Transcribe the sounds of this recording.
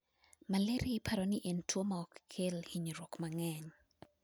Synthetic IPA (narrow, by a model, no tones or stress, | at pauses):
maleɾipʰaɾɔnɪʔentwomaɔkkʰelhiɲɾɔkmaŋɛɲ